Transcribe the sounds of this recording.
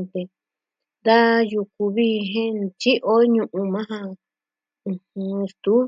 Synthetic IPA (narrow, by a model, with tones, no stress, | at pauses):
t̪e˧ | nd̪a˦ju˧ku˧βi˧ɦẽ˦nt͡ʃi˦ʔo˦ɲũ˧ʔũ˧mã˦ɦã˧ | ũ˧hũ˧st̪u˨˦